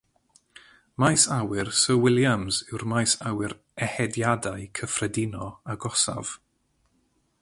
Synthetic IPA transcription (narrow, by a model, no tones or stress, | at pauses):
majsawɪrsəwɪlˠjamzɪwrmajsawɪɾ | ɛhɛdjadaɨkʰəfrɛdɪnɔaɡɔsa̰v̥